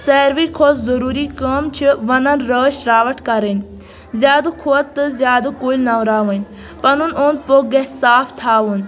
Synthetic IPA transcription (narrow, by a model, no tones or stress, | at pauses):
sɛːɾʋiːkʰoːt̪zɐɾuːɾiːkɐmt͡ʃʰiʋɐnɐnɾəːʃɾaːʋəʈʰkɐɾən | zjaːd̪ukʰoːt̪t̪ːɨzjaːd̪ukoːlnaʋɾaːʋən | pɐnunond̪̚poɡesaːpʰt̪ʰaːʋun